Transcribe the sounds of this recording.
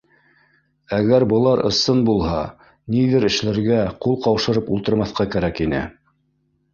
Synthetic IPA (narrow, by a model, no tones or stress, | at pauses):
æɣæɾbɤ̆lˠɑɾɤ̰̆sɤnbulˠhɑ | niðɘɾɘ̆ʃlæɾɡæqulˠqɑwʃɤ̆ɾɤpulˠt̪ɤ̆ɾmɑθqɑkæɾækinɘ̰